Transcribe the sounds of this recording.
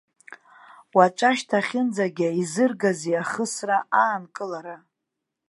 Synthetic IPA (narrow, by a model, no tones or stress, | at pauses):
wat͡ʃʷʼaʃtʰaχʲɪnd͡zaɡʲaizɨrɡaziaχəsraaːnkʼɨlaɾa